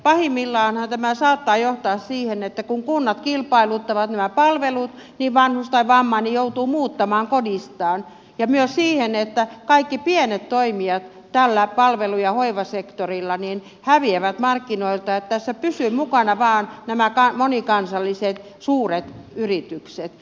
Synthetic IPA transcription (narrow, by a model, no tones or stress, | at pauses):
pɑhimːilːɑːnhɑnt̪æmæsɑːt̪ːɑːjoht̪ɑːssiːhenet̪ːækuŋkunːɑt̪kilpɑilut̪ːɑʋɑt̪næmæpɑlʋelut̪niʋʋɑnhust̪ɑiʋɑmːɑnijout̪uːmuːt̪ːɑmɑːŋkodist̪ɑːn | jɑmyøssiːhenet̪ːækɑikːipienet̪toimiɑt̪ | t̪ælːæpɑlʋelujɑhoiʋɑsekt̪orilːɑnin | hæʋieʋæt̪mɑrkːinoilt̪ɑet̪t̪æsːæpysyːmukɑnɑʋɑːnnæmækɑmonikɑnsɑlːiset̪ | suːret̪yrit̪ykset̪